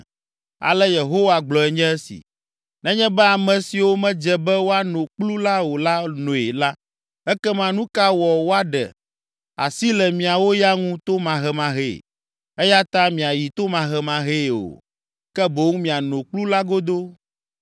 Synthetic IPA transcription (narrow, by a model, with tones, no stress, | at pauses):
a̰˨lɛ˦je˨ɦo˦wa˨ɡ͡blɔ˨ɛ˨ɲɛ̃˦ɛ˦sḭ˨ | nɛ̃˦ɲɛ̃˦bɛ˦a˨mɛ̃˨si˨wo˦mɛ̃˦d͡ʒɛ˦bɛ˦wo˦a˦nõ˨k͡plu˦la˦wo˨la˦nõ˨e˨la˦ | ɛ˦kɛ˦mã˨nũ˦ka˦wɔ˨wo˦a˦ɖɛ̰˨ | a̰˨si˦lɛ˨mĩ˨a˨wo˦ja˦ŋũ˦t̪o˦mã˨ɦɛ˦mã˨ɦḛ˨ | ɛ˦ja˦t̪ã˦mĩ˨a˨ji˨t̪o˦mã˨ɦɛ˨mã˨ɦe˦˨o̰˨ | kɛ˦bo˦ŋũ˦mĩ˨a˨nõ˨k͡plu˦la˦ɡo˦d̪o˦